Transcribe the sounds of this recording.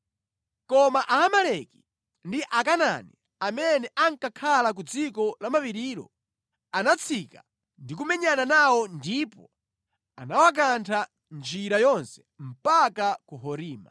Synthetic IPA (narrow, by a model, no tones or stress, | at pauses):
kɔmaʔaːmalɛki̥ | ndiʔakana̰nḭ | amɛnɛʔaŋkakʰalak̬ud͡zikɔlamapiɾiːɾɔ̰ | anat͡sʰika | ndik̬umɛɲananawɔndipɔ̰ | a̰nawak̬antʰa | nd͡ʒiɾajɔnsɛ̥ | m̩pakakuɦɔɾiːma̰